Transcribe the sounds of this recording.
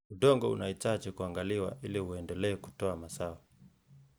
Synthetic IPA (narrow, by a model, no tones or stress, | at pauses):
uɗɔŋɡɔṵnaitat͡ʃikuaŋɡaliwa̰ʔiliuɛndɛlɛːku̥tɔamasawa